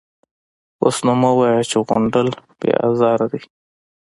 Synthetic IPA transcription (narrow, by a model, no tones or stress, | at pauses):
o̰snumawajat͡ʃeɣo̰ɳɖəlb̥ḛa̰zɑːɾad̪i